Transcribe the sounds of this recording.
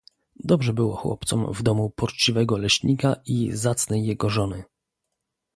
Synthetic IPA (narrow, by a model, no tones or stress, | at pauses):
d̪ɔbʐɛbɘwɔxwɔ̰p̚t̪sɔ̰mvd̪ɔmupɔt͡ʂt͡ɕivɛɡɔlɛɕɲikaizat̪snɛjːɛɡɔʐɔnɘ